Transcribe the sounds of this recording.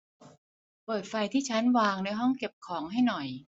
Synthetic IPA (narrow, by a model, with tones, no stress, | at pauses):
pɤː˨˩t̪̚fa˧jt̪ʰiː˥˩t͡ɕʰa˦˥nwaː˧ŋna˧jɦɔ˥˩ŋke˨˩p̚kʰɔː˩˦ŋɦa˥˩jnɔ˨˩j